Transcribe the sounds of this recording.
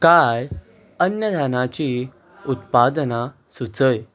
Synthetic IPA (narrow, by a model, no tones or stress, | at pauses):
kaj | ənjəd̪ʱanat͡ɕi | ut̪pad̪əna | sut͡səj